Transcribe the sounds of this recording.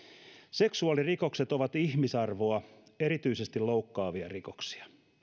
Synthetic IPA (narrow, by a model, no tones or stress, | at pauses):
se̞ksuɑliriko̞kset̪oʋɑt̪içmisɑrʋoɑ | eɾit̪yise̞st̪iloukːɑːʋiɑ̰riko̥ksi̥ɑ̥